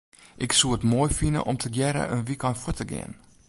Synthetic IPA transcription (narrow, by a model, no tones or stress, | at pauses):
ʔɪksuəətmojfinə̰ʔɔmtʰəɡjɛɾə̰ʔənʋikanfutəɡḛən